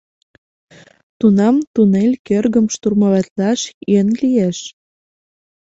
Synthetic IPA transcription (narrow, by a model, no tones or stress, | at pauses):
t̪unɑmt̪unelʲkørɣə̆mʃt̪urmɑβɑt̪lɑʃənlijeʃ